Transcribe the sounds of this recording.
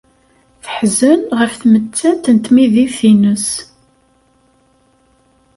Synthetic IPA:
θə̥ħzənʁəfθmət͡sːæt̪ːnt̪miðifθinəs

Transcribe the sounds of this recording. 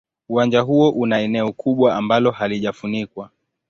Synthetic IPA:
uwand͡ʒaɦuɔʔunaɛnɛɔkʰuɓwaambalɔhaliʄafunikwa

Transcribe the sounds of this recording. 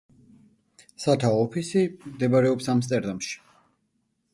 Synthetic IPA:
sat̪ʰaɔpʰisimd̪ɛbaɾɛɔpsamst̪ʼɛɾd̪amʃi̥

